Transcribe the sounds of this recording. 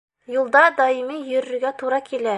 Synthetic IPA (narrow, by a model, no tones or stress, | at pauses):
julˠd̪ɑd̪ɑjimijɵɾɵɾɡʲæt̪ʰuɾɑkʲʰele